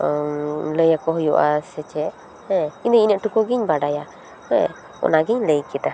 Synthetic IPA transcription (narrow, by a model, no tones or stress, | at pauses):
ləjakɔɦɔjuʔasɛt͡ʃɛʔ | hɛ̃ind̪əiɲəʔʈukɔɡiɲbaɖaja | hɛ̃ | ɔ̰naɡiɲləjkɛta